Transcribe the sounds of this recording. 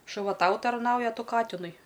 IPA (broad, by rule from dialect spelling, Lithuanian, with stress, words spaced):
ʃʊˈʋɐ ˈtɐʊ tɐrˈnɐʊjɛ ɐ ˈtʊ ˈkɑːtʲɪnʊɪ